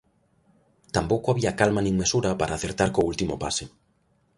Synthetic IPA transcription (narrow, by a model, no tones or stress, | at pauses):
t̪ampowkoaβiakalmanĩŋmesuɾapaɾʔaːθeɾt̪aɾkoult̪imopa̰se